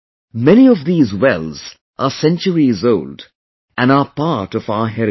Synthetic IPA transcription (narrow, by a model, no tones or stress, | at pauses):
mɛniɔvðiːzwɛlz̥ | ʔəsɛ̃nt͡ʃəɹizoʊld | ʔæ̃nəpaɹʈɔvaʊəɦɛɾ